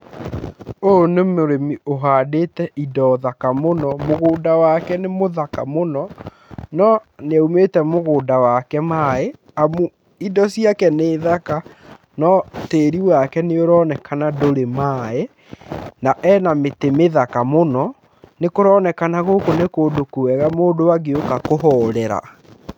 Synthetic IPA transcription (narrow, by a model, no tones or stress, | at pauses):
onemoɾemioɦadetɛʔidɔðakamonɔmoɣoːdawakɛnemoðaka̰monɔ | nɔneaumeːtɛmoɣoːdawakɛmae | amu | idɔsijakɛneːðaka | nɔteːɾiwakɛneoɾɔːnɛkʰanadoɾemae | naʔɛnametemeðakamonɔ | nekoɾɔːnɛkanaɣoːkonekoːdokuwɛɣamoːdowaɡeokakoɦɔɾɛɾa̰